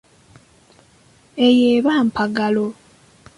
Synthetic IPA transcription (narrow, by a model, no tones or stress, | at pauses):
ejeːβaːmpaɡalo